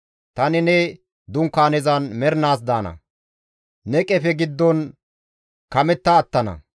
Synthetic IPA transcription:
t̪ɐnɪnɛ | d̪ʊŋkːaːnɛzɐnmɛɾnaːs̬d̪aːnɐ̰ | nɛkʼɛfɛɡɪd̪ːɔn | kɐmɛt̪ːɐːt̪ːɐnɐ̰

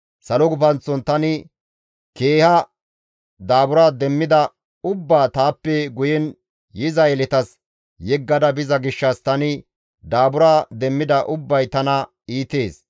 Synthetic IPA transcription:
sɐlɔɡʊpɐnt͡sːɔnt̪ɐnɪ | ke̞ːhɐ | d̪aːbʊɾaːd̪ɛmːɪd̪ɐ | ʊbːaːt̪aːpːɛɡʊjɛn | jɪzɐjɛlɛt̪ɐs | jɛɡːɐd̪ɐbɪzɐɡɪʃːɐst̪ɐnɪ | d̪aːbʊɾaːd̪ɛmːɪd̪ɐʔʊbːɐjt̪ɐnɐ | iːt̪e̞ːs

